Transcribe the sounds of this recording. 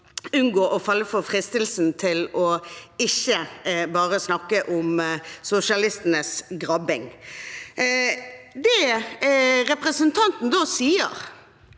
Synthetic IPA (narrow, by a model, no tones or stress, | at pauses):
ʉnɡoːʔɔfɑlːəfɔʁfʁɪst̪ɪlsn̩t̪ʰɪlɔɪçəbɑːʁəsnɑkːəʔʊmsʊsɪɑlɪst̪ənəsɡʁɑbɪŋ | d̪ɛ | ɾɛpʁəsənt̪ʰɑnt̪n̩d̪oːsiːə̰ʁ